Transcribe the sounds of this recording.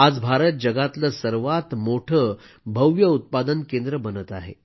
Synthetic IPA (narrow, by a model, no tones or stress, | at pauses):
ad͡zbʱaɾət̪̚d͡ʑəɡat̪ləsəɾʋat̪moʈʰə | bʱəwjəut̪̚pad̪ənkẽnd̪ɾəbənət̪aɦḛ